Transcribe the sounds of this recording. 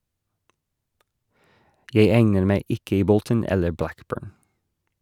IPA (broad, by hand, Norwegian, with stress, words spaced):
ˈjeɪ ˈæŋnəɾ ˈmæɪ ˈɪk ˈiː ˈbɔltən ˈɛlə ˈblækˌbøːɹn